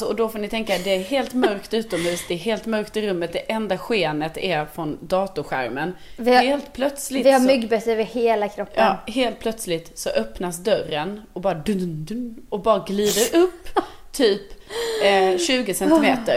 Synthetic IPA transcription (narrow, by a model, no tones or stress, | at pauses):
sɔɔd̪ɔfoːnɪt̪ʰɛŋkad̪ɛæɾɦeːlt̪mœɾkt̪ʉ̟ːt̪ɔmhʉ̟ːsd̪ɛːɾɦeːlt̪mœɾkt̪ɪɾɵmːət̪̚d̪ɛʔɛnd̪aɧeːnət̪æɾfɾɔnd̪ɑːt̪ʊɧæ̰ɾmənɪheːlt̪pʰlœt̪slɪɪamʏɡbɛsəɾvɪheːlakʰɾɔpːʔɑːɦeːlt̪̚pʰlœt̪slɪt̪sɔʔœpnasd̪œrənɔbɑːɾad̪ɵd̪ɵnɔbɑːɾaɡliːd̪əɾʔɵpːt̪ʰyːp | ɕʉ̟ːɡəsɛnt̪ɪmeːt̪əɾ